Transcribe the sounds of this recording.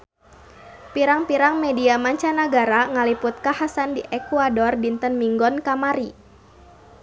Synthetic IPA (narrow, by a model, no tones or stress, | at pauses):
piɾaŋpiɾaŋmediamaɲt͡ʃanaɡaɾaŋalipʊt̪̚kahasandiʔɛkuadɔrdint̪ənmiŋɡɔnkamaɾi